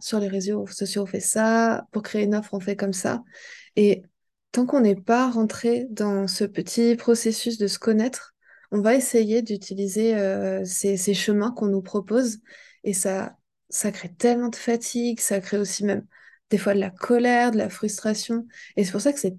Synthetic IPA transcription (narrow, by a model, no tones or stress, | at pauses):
syʁleʁezosɔsjoɔ̃fɛsapuʁkχeynɔfχɔ̃fɛkɔmsa̰e | t̪ɑ̃kɔ̃nɛpaʁɑ̃t̪χed̪ɑ̃səpət̪ʰipχɔsesys̬d̪əsə̥kɔnɛt̪χ | ɔ̃vaesejed̪yt̪ʰilizeøseseʃəmɛ̃kɔ̃nupχɔpoz | esa | sakχet̪ɛlmɑ̃d̪əfat̪ʰiɡsakχeosimɛm | d̪̥efwad̪əlakʰɔlɛʁd̪əlafχyst̪χasjɔ̃es̬ɛpuʁsakə̥sɛ